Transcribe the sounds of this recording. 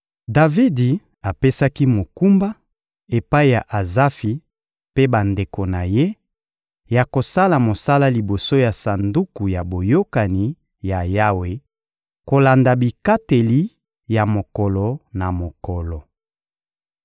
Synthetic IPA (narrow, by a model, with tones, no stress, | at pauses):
da˨vi˦di˨ | a˨pe˦sa˦ki˦mo˨ku˦mba˦ | e˨pa˦i˦ja˨ʔa˨za˦fi˨ | pe˦ba˨nde˨ko˨na˨je˦ | ja˨ko˨sa˦la˨mo˨sa˦la˦li˨bo˨so˦ja˨sa˨ndu˦ku˨ja˨bo˨jo˦ka˨ni˨ | ja˨ja˦we˨ | ko˨la˨nda˨bi˨ka˦te˨li˦ | ja˨mo˨kɔ˨lɔ˨na˨mo˨kɔ˨lɔ˨